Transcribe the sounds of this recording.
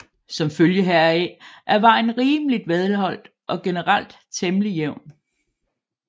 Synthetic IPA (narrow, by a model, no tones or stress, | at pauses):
sɒ̽mføljəɦæɐ̰ɛʔæɐʋɑ̈ɪnʁiːmlid̥ʋeð̞ˠlɦɒ̽l̰d̥ | ʔɒ̽ɡ̥e̝nəʁal̰d̥ | t͡sʰemlijeʊ̰n